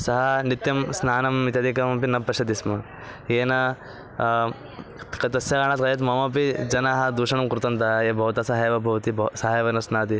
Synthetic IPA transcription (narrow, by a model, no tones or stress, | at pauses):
sɐɦɐnit̪jɐmsnaːnɐmːit̪jɐd̪ʱikɐmɐpinɐpɾɐʃɐd̪ismɐ | jeːnɐ | kɐt̪ɐsjɐkaːɳ̃ɐːt̪kɐjɐt̪mɐmɐpid͡ʒɐnaːɦɐd̪uːʃɐɳɐmkɾut̪ɐnt̪ɐɐeːbʱɐɦut̪ɐsɐɦeːʋɐbʱɐʋɐt̪isɐɦɐːjʋɐnɐsnaːt̪i